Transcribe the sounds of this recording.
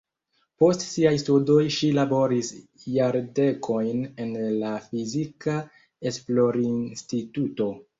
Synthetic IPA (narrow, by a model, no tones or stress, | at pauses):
po̞stsiajstudo̞jʃilabo̞ɾisjaɾde̞kʰo̞jne̞nlafizika | e̞splo̞ɾinstituto̞